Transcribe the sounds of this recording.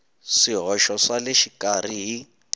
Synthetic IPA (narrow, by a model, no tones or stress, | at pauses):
siɦɔʃɔsaleʃikʼariɦi